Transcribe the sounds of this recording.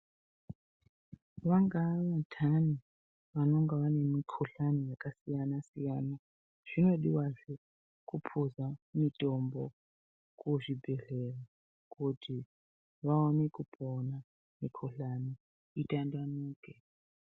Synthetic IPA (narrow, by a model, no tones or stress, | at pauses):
ʋaŋɡaʋatʰani | ʋano̞ŋɡaʋane̞mikʰoɬanijakasijanasijaːna | ʐ̥ino̞ɗiwaʐe | kupʰuzamitʼombo | kuʐibʱe̞ɮera | kʰutʰi | ʋaonekupʰona | mikʰoɬani | itʼandanuːke